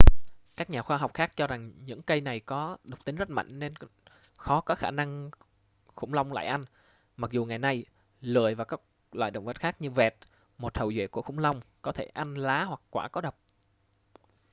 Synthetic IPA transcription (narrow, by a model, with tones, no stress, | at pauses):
kaː˦˥k̚ɲaː˨˩xwaː˧ɦɔ˨˩wk͡p̚xaː˦˥k̚t͡ɕɔ˧za˨˩ŋɲɨ̰˧˥ŋkə˧jna˨˩jkɔ˨˦ɗɨ˨˩k͡p̚t̪i˨˦ŋzə˦˥t̚ma̰˧˨jŋ̟ne˧nxɔ˨˦kaː˦˥k̚xaː˧˩na˧ŋ | xʊ̰˧˩ŋ͡mla˧wŋ͡mla̰ː˧˨jʔa˧jŋ̟ | ma˨˩k̚zu˨˩ŋa˨˩jna˧j | lɨ̰˧˨əjvaː˨˩wkaː˦˥k̚ | lwa̰ː˧˨jɗə̰˧˨wŋ͡mvə˨˩t̚xaː˦˥k̚ɲɨ˧vɛ˨˩t̚ | mo˨˩t̚hə˨˩wzwḛ˧˨ku˧˩əxʊ̰˧˥ŋ͡mla˧wŋ͡mkɔ˨˦t̪ʰe˧˩ʔa˧jnlaː˨˦hwa˨˩kkːwaː˧˩kɔ˨˦ɗə˨˩wk͡p̚